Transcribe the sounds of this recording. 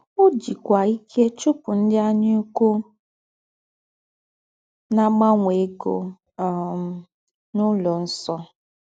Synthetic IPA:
ʊ˦d͡ʒi˨kʷa˨i˦kʰe˦t͡ʃʊ˦pʊ˨n̩˦dɪ˦a˦ɲɪ˦u˦ku˦ | na˦ɡ͡ba˦ŋʷe˨e˦ɡo̰˨ | nʊ˦lɔ˨n̩˦sɔ˦

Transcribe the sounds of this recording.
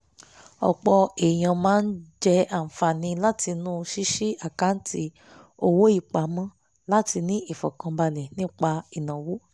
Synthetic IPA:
ɔ̰˨k͡pɔ˧e˨j̃ã˨˧mãː˦n̩˦d͡ʒɛ˦a˨fa˨nĩ˧la˦ti˧nũ˦ʃi˦ʃi˦a˨ka˨˦n̩˦ti˧˦ | o˧wo˦i˦˨k͡pa˨˦mɔ̃˦ | la˦ti˧nĩ˦i˦˨fɔ̰˨kã˧ba˧lɛ˨nĩ˦k͡pa˧i˨nã˨wo˦

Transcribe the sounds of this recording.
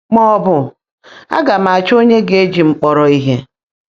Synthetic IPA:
ŋ͡mɔ˦ɔ˦bʊ˦ | a̰˦ɡa˨ma˨t͡ʃo˦ɲe˦ɡe˨e˦d͡ʒi˨ŋ͡m̩˨k͡pɔ˨ɾɔ˨i˦ɦe˦

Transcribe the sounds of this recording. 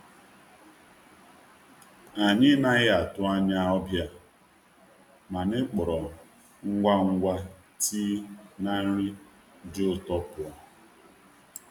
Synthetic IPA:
a˨ɲɪ˦na˦ɣɪ˦a˨tʊ˦a˦ɲa˦ɔ˦bja˦ | ma˨nɪ˦k͡pɔ˨ɾɔ˨ | ŋ̩˦ɡʷa˦ŋ̩˦ɡʷa˦ | tʰi˦na˦n̩˦ɾi˦ | dʊ˦ʊ˨tɔ˦pʊ˨ɔ˨

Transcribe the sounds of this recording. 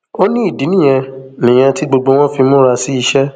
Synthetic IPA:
o˦nĩ˦i˦˨di˨˦nĩ˦˨j̃ɛ̃˧nĩ˨j̃ɛ̃˧ti˦ɡ͡bo˧ɡ͡bo˧w̃ɔ̃˦fi˧mũ˦ɾa˧si˦i˧ʃɛ˦

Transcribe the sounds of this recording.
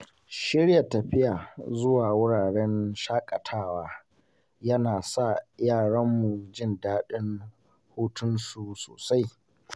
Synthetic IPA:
ʃɪ˦ɽja˨tɐ˨ɸɪ˦ja˨zʊ˦waː˨wʊ˦ɽaː˨ɽɛ˦nʃaː˦kʼɐ˨tʰaː˦waː˦ | jɐ˦naː˨sa˦˨jaː˦˨ɽɐ˦mːu˨d͡ʒɪ˦ndaː˦ɗɪ˦n | huː˦tʊ˦nsuː˨so̰ː˨sa˦j

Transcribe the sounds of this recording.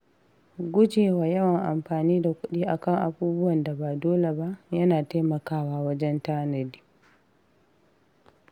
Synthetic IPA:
ɡu˦d͡ʒɛ˨wa˨jɐ˦wa˨ŋʔa̰˨mɸaː˨niː˦da˨kʷu˦ɗi˦ʔa˨ka˦ŋʔa̰˨buː˦bu˦wa˨nda˨baː˨dɔː˦lɛ˨ba˨jɐ˦naː˨tɛ˦jma˨kaː˦waː˨wa˦d͡ʒɛ˦ntaː˦ne˨di˨

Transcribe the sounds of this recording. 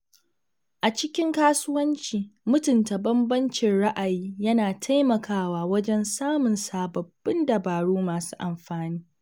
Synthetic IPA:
ʔa˨t͡ʃɪ˦kʲɪ˦ŋkaː˦sʊ˦wɐ˦nt͡ʃiː˨mʊ˦tʊ˨nta˨bɐ˦mbɐ˦nt͡ʃɪ˨nɽa˦ʔa˨jiː˦jɐ˦naː˨tʰa˦jmɐ˨kaː˦waː˨wɐ˦d͡ʒɛ˦nsaː˦mʊ˨nsaː˨bɐ˨b̥ːɪ˦ndɐ˨baː˨ɽuː˦maː˨su̥ː˦ʔa˨mɸaː˨niː˦

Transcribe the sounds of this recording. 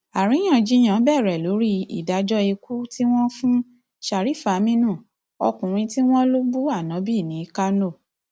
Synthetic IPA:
a˨ɾ̃ĩ˨˦ã˦˨d͡ʒi˦j̃ã˨˦bɛ˦˨ɾɛ˨lo˨˦ɾi˦ḭ˨da˨˦d͡ʒɔ˦i˧ku˦ti˦w̃ɔ̃˦fũ˦ | ʃa˨ɾi˨˦fa˨˦mĩ˦nũ˦˨ | ɔ̰˧kũ˨ɾ̃ĩ˧ti˦w̃ɔ̃˦lo˦bu˦a˦˨nã˨˦bi˦˨nĩ˨˦ka˦no˦˨

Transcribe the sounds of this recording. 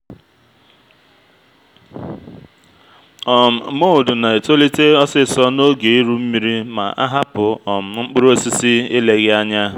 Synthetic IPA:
ɔ˨m̩˨˦mo˦ʊ˨dʊ˨na˨e˨to˦li˦te˦ɔ˦sɪ˦sɔ˦no˦ɡe˨i˦ɾu˦m̩˦mi˦ɾi˦ma̰˨ʔa̰˦ɦa˦pʊ˨ɔ˨m̩˨ŋ͡m̩˦k͡pʊ˦ɾo˦si˦si˦ɪ˦le˨ɣɪ˦a˦ɲa˦

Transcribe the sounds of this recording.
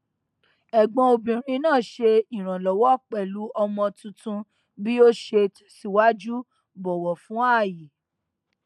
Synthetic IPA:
ɛ˨ɡ͡bɔ̃˧o˧bĩ˨ɾ̃ĩ˧nãː˦˨ʃe˧i˨ɾ̃ã˨lɔ˨wɔ˦k͡pɛ˨lu˨˦ʔɔ˧mɔ̃˧tũ˧tũ˧ | bi˦o˦ʃe˧tsi˦wa˦d͡ʒu˦ | bɔ˨wɔ˨fũ˨˦a˦˨ji˨

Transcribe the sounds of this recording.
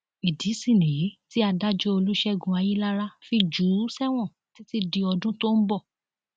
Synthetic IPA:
i˨di˨˦si˦˨nĩ˨je˨˦ti˦a˧da˦d͡ʒɔ˦o˧lu˦ʃɛ˦ɡũ˧a˧ji˦la˦ɾa˦fi˦d͡ʒu˨˦sɛ˦w̃ɔ̃˦˨ | ti˨˦ti˧di˧ɔ˧dũ˦to˦n̩˦bɔ˦˨

